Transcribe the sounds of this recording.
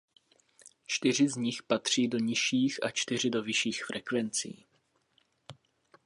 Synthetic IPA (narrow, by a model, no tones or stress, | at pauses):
t͡ʃt̪ɪr̝ɪzɲɪxpat̪r̝̥iːdo̞ɲɪʃiːxʔa̰t͡ʃt̪ɪr̝ɪdo̞vɪʃiːxfɾʔɛkvɛnt͡sḭː